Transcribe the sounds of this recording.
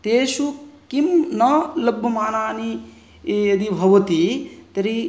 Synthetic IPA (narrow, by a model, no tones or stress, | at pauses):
t̪eːʃukimnɐlɐbʱːɐmaːnaːni | jɐd̪ibʱɐʋɐt̪it̪ɐɾi